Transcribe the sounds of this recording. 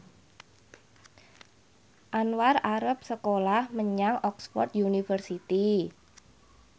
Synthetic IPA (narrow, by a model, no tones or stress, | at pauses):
ʔanwaraɾəp̚səkolahməɲaŋɔksfɔ̰rt̪junifərsit̪i